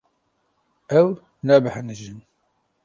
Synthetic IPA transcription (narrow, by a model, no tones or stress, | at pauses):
æw | næbəħənəʒən